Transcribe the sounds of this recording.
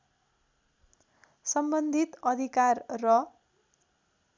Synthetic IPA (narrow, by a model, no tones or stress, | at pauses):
sʌmbʌnd̪ʱit̪ʌd̪ʱikarːʌ